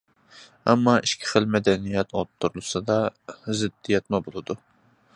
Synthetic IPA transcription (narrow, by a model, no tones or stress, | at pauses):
ɑ̰mːɑʔiʃkʲʰi̥χəlmɛd̪ɛnijɛt̪ʰot̪ʰːuɾulˠɨsɨd̪ɑzɪd̪ːijɛt̪mɨbolˠɨd̪u